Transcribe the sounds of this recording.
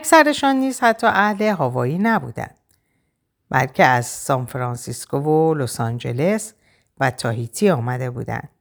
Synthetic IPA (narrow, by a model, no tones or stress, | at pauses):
æksæɾe̞ʃɒnːiːz̥hæt̪ʰːɒːʔæhle̞ɦɒːvɒːiːnæbṵd̪æ̰nd̪̥ | bæ̰lcʰe̞æz̥sɒːnfɾɒːnsiskovolosɒnd͡ʒe̞le̞s | væt̪ʰɒːɦit̪ʰiːɒːmæd̪e̞bṵːd̪æ̰nd̪̥